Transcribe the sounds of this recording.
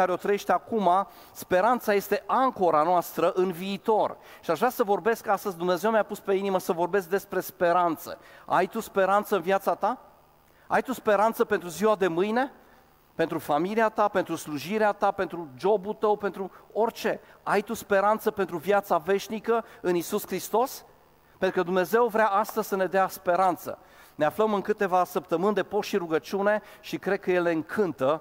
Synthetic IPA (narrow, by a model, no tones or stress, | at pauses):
aɾeo̞t̪ɾəeʃt̪akuma | spe̞ɾant̪saje̞st̪e̞ʔaŋko̞ɾanoast̪ɾəʔɨnviːt̪o̞r | ʃiaʒvɾʲasəvo̞rbe̞skast̪əzʲd̪umne̞ze̞wmʲjapuspe̞iniməsəvo̞rbe̞s̬k̚d̪e̞spɾe̞spe̞ɾant̪sə̰a̰jt̪uspe̞ɾant̪səɨnvjat̪sat̪a | ajt̪uspe̞ɾant̪səpe̞nt̪ɾuziwad̪e̞mɨjne̞ | pe̞nt̪ɾufamiliat̪ape̞nt̪ɾusluʒiɾeat̪ape̞nt̪ɾud͡ʒo̞bult̪əwpe̞nt̪ɾuo̞rʲt͡ʃe̞ajt̪uspe̞ɾant̪səpe̞nt̪ɾuvjat̪save̞ʃnikəɨnisuskɾist̪o̞s | pent̪ɾukəd̪umne̞ze̞wvɾeaast̪əzʲsəne̞d̪easpe̞ɾant̪sə̰ | ne̞afləmɨŋkɨt̪e̞vasəp̚t̪əmɨnd̪e̞po̞sʃiɾuɡət͡ʃune̞ʃikɾe̞d̪̚kəje̞le̞ɨŋkʰɨnt̪ə